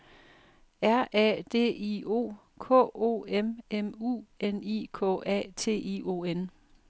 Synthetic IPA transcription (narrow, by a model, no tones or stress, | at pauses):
æɐʔɛ̰d̥e̝̰ːio̝̰ː | kʰɔ̰̽ːo̝̰ːememṵːenḭːkʰɔ̰ɛ̰ːt͡sʰe̝̰ːio̝ːen